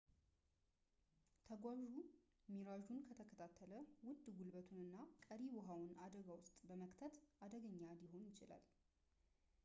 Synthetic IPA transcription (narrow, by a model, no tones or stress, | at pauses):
t̪ʰəɡʷwaʒu | miɾaʒunkʰət̪ʰəkʰət̪ʰat̪ʰːələwʊd̪ːɡulbət̪ʰunɨnːakʼəɾiwɔɦawʊnad̪əɡawʊst̪ʼbəməkʼt̪ʰət̪ʔad̪əɡəɲːad̪ɪɦo̞njɪt͡ʃɪla̰l